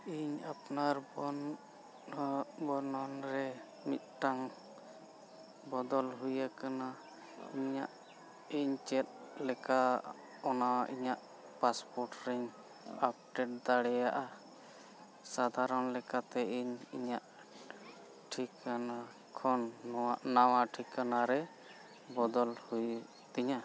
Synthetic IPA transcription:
iɲapnaɾb | bɔnɔnɾɛ | mḭt̪̚ʈaŋ | bɔd̪ɔlɦujakana | iɲaʔ | iɲt͡ʃɛt̪̚lɛka | ɔnaḭɲaʔ | paspɔɾʈɾɛɲ | ap̚ʈɛʈ̚d̪aɽɛjaʔa | sad̪ʱaɾɔnlɛkat̪ɛiɲiɲaʔ | ʈʰikana | kʰɔnːɔwaʔnawaʈʰikanaɾɛ | bɔd̪ɔlhuj | t̪iɲa

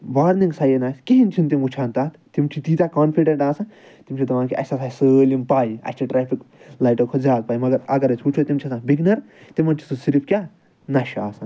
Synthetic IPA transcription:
ʋaːɾniŋɡsɐjenaːsʲkiɦint̪ʰint̪̬imut͡ʃʰaːnt̪aːt̪t̪imt͡ʃʰit̪iːt̪akaːnpʰiɖẽɳʈaːsɐn | t̪imt͡ʃʰit̪ɐʋaːnkiʔɐ̰sasasəːlimpaːjiɐ̰sʲt͡ʃʰiʈɾaːpʰiklaːjʈoːkʰozʲaːd̪̚paːjmɐɡɐɾɐɡɐɾɐsʰʲut͡ʃʰot̪imt͡ʃʰisãbiɡnɐɾ | t̪imɐnt͡ʃʰi̥sɨsiɾipʰkʲaː | nɐʃaːsɐn

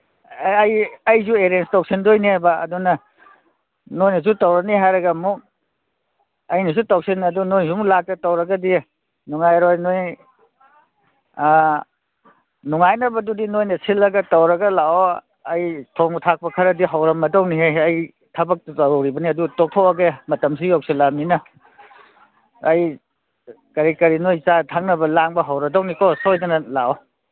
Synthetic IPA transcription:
jɐjzueɾenstowk̚sindojneba̰ːdunɐ | nojnɐs̬utɐwɾɐniɦajɾɐɡɐmuk̚ | ɐjnis̬utowk̚sinɐdunojnsumulak̚tɐtɐwɾɐɡɐdi | nuŋajɾojnoj | nuŋajnɐbɐdudinojnɐsʰilːɐɡɐtɐwɾɐɡɐlao | ɐjtʰɔŋtʰak̚pɐkʰɐɾɐdiɦawɾɐmɐdɐwniɦejɐj | tʰɐbɐk̚ttɐɾwɾibɐniɐdutɔk̚tʰowɐɡemɐtɐmsijok̚silam̚ninɐ | j | kɐɾikɐɾinojt͡ʃatʰaŋnɐbɐlaŋbɐɦawɾɐdɐwnikɔsojdɐnɐlao

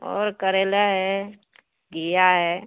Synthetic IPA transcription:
ɔ̰ːɾkəɾelaɦɛ | ɡijaɦɛː

